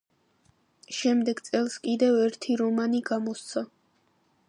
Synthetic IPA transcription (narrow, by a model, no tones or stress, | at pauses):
ʃɛmd̪ɛɡt̪sʼɛlˠskʼid̪ɛvɛɾt̪ʰiɾɔmaniɡamɔst̪sʰa